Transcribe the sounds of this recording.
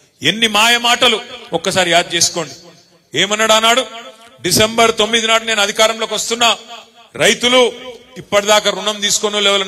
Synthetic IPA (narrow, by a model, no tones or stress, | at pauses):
enːimaːjɐmaːʈɐluɔkːɐsaːɾijaːd̪̚t͡ʃe̞ːsu̥ko̞ːɳɖi | eːmɐnɐɽaːnːaːɽu | ɖisembɐɾt̪o̞mːid̪inaːɽune̞ːnɐd̪ʱikaːɾɐmlo̞ːkʋɐst̪unːɐ | ɾɐjt̪uluipːɐʈid̪aːkɐɾunɐmt̪iːsu̥konulɛʋɐlɐ